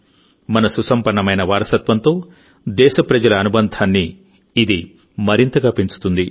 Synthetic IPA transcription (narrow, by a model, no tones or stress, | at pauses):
mɐnɐsusɐmpɐɾɳɐmɐjnɐʋaːɾɐsɐt̪ʋɐnt̪o̞ː | d̪ɛːʃɐpɾɐd͡ʒɐlɐːnubɐnd̪ʱaːnːiː | d̪i | mɐɾint̪ɐɡaːpiɲt͡ʃu̥t̪und̪i